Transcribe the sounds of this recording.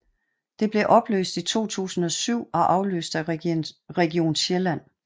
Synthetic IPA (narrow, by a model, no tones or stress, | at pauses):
d̥e̝b̥le̝ʔɒ̽b̥lø̰ːsd̥it͡sʰo̝̰ːt͡sʰṵːsn̩ɒ̽syʊ̰ɒ̽ʔɑ̈ʊlø̰ːsd̥æ | ʁɛɡio̝̰ːnɕelæn̰